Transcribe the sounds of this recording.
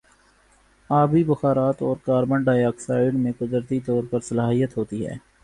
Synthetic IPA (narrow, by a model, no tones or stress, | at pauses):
aːbibɐxaːɾaːt̪ɔːɾkaːɾmə̃ɳɖaːjaːksaːɪɽmẽkʊd̪ɾt̪it̪ɔːɾpɐɾsɐlaːɦijət̪ɦoːt̪iɦɛ̰ː